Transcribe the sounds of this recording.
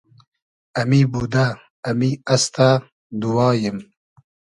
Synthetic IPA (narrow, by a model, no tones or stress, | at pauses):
ɐmibud̪aː | miast̪a | d̪uwɑːjim